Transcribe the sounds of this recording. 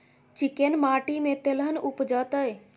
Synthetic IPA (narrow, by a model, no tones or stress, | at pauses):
t͡ʃikenmaːʈimẽt̪elɦənʊpd͡ʒət̪əj